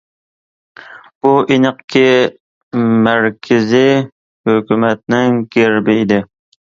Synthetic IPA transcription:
b̥ʊʔinɨqkʰʲɪ | mæɾkʲʰɪzɪ | hɵkʲymæt̪̚nɪŋkʲʰeɾbɪːd̪ɪ

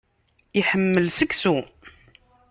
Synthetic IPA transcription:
iħəmːəlsəksu

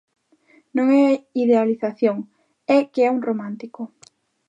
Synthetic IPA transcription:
nõŋɛaiðealiθaθjoŋ | ɛkeɛuŋromãnt̪ikʊ

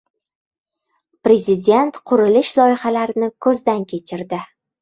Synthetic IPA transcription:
pɾe̞zɪd̪ʲe̞nt̪qʰʊɾɪlɪʃlˠɒjɪχalaɾɪnɪkʰɵzd̪ankʲʰe̞t͡ʃʰɪɾd̪ɪ

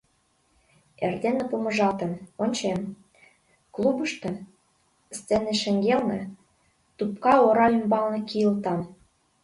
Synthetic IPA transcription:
ḛrd̪enĕpumɤ̆ʒɑt̪ə̆monʲt͡ɕem | klˠubə̆ʃt̪ĕ | st͡senĕʃɘ̆ŋɡelnĕ | t̪upkɑoɾɑymbɑlnĕkijəlt̪ɑm

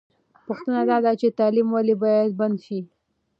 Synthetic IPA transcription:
pʊxt̪ənad̪ɑd̪at͡ʃet̪ɑlimwalebɑjad̪̚band̪ʃi

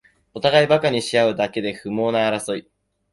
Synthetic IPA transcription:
o̞t̪aɡaibakaɲ̟iɕijaɯ̟d̪ake̞d̪e̞ɸɯ̟mo̞ːnaːɾaso̞i

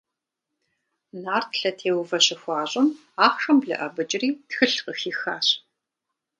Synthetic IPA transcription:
naːrtʰɬɐtʰeːwvɐɕɪxʷɑːɕʼɪm | aːχʂɐmbɮɨ̰ʔɐbɨt͡ʃʼɪriːtxɨɬqəxiːxaːɕ

